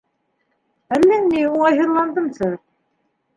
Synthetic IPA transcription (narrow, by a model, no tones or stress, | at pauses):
ælːɘŋniuɑjɦɤ̆ɾlˠɑnd̪ɤmsɤ